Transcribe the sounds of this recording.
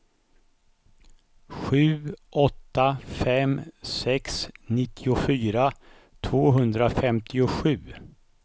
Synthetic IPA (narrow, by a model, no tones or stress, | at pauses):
ɧʉ̟ːʔɔt̪ːafɛmsɛksnɪt̪ʰːɪʊfyːɾa | t̪ʰvoːɦɵnd̪ɾafɛmt̪ʰɪʊɧʉ̟ː